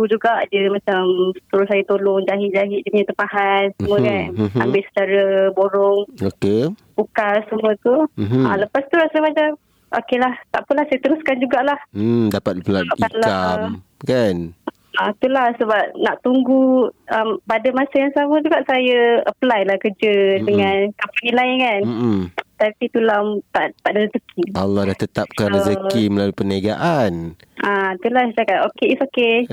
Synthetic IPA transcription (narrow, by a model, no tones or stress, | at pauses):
ɡud͡ʒuɡaʔdəmat͡ʃamsə̥t̪əɾʊsajət̪olɔŋd͡ʒaɦɪʔ̚d͡ʒaɦɪʔ̪̚dəɲə̃t̪əpaɦansəmuəkana̰mbɪʔsə̥t͡ʃaɾəboɾɔŋokepukasəmũət̪uɦaləpast̪ulasajəbad͡ʒa | ʔo̰kelaht̪aʔpəlahsajət̪əɾuskand͡ʒuɡaʔlah̩dapat̪̚pəlabaʔiaʔlamkan | at̪ulahsəbap̚naʔt̪uŋɡuəmpadamasajaŋsaməd͡ʒuɡaʔsajəəplajlahkəd͡ʒədəŋãnkampanilajkan̩ | t̪apit̪ulamt̪aʔt̪aʔdəəzəkʰialːɔhdaht̪ət̪ap̚kanəzəkiməlaluipəniaɡaʔan | ʔat̪ulaht͡ʃakaʔokeisoke